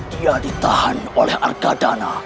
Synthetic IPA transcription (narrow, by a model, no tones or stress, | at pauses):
d̥iadit̪ahanolɛhʔa̰rɡadana